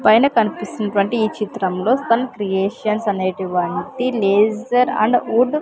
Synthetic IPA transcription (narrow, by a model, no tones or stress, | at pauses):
pɐjnɐkɐnipistinɐʈuʋɐɳʈiiːt͡ʃit̪ɾɐmlo̞ːst̪ɐnɐkɾijeːʂɐnsɐneːʈuʋɐɳʈileːd͡ʒɐɾɐ̰ɳɖuɖ